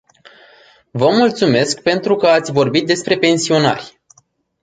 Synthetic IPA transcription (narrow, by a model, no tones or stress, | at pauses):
vəmult̪sume̞skpe̞nt̪ɾukəat̪sʲvo̞rbit̪̚d̪e̞spɾe̞pe̞nsio̞na̰rʲ